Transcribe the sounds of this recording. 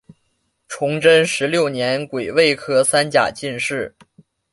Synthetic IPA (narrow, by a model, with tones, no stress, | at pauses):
ʈ͡ʂʰʊ˧˥ŋʈ͡ʂə˥nʂɻ̩˧˥ljo˥˩ʊnjɛ˧˥nkwe˨˩ɪwe˥˩ɪkʰɤ˥sa˥nt͡ɕja̰˨˩t͡ɕi˥˧nʂɻ̩˥˩